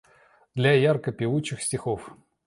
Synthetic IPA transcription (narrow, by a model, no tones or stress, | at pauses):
d̪̥lʲajarkəpʲɪvut͡ɕːɪxsʲtʲɪxof